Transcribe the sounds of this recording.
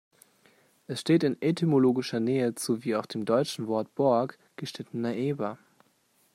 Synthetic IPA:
ʔɛsʃteːtɪnɛtʰimoloːɡɪʃɐnɛːəz̥oviːaʊxd̥eːmdɔʏt͡ʃn̩vɔɐt̚b̥ɔɐk | ɡ̥əʃtɪtən̩ːaʔeːbɐ

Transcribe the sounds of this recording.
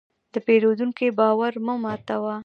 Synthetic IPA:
d̪əpeɾod̪uŋkebɑwaɾməmɑt̪awa

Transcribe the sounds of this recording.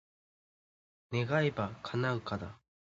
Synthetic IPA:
ne̞ɡaebakʰanãŋkad̪a̰

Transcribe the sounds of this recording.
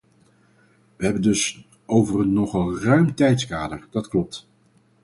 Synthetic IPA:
ʋəɦɛbəndɵs | owvərənnɔχəlˠrœɥmtɛjtskaːdəɹd̥ɑtklɔp̚t

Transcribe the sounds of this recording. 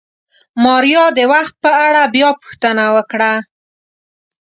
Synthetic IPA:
mɑɾjɑd̪əwaxt̪̚pəaɽabjɑpu̥xt̪ənawəkɽa

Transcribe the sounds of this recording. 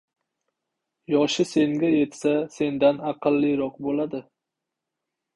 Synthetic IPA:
jɒʃɪse̞ŋɡʲaje̞t̪sase̞nd̪anɑqʰɨlːijɾɒqbolad̪ɪ

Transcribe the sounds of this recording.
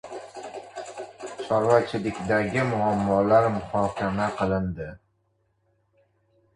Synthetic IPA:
t͡ʃʰɒɾvat͡ʃʰɪlɪkʲd̪aɡʲɪmʊamːɒlaɾmʊhɒːkʲʰamaqʰɨlˠɪnd̪ɪ

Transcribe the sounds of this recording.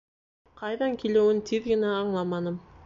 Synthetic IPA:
qʰɑjðɑŋkʲʰilewɘnt̪ʰiðɡɘ̆næɑɴlˠɑmɑnɤm

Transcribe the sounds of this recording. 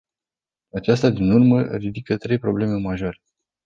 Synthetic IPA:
at͡ʃast̪ad̪inurməɾid̪ikət̪ɾe̞jpɾo̞ble̞me̞maʒo̞ɾe

